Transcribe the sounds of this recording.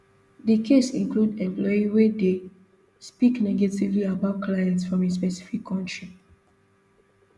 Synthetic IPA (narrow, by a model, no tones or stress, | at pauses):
dikʰesĩŋkludɛ̃mplɔiwede | spiknɛɡativliabaʊt̚kʰlajɛ̃ntsfɹɔ̃mispɛsi̥fikʰːɔ̃ntɹi